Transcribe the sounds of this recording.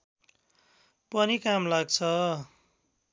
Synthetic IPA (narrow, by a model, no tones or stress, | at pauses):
pʌnikamlaɡt͡sʰʌ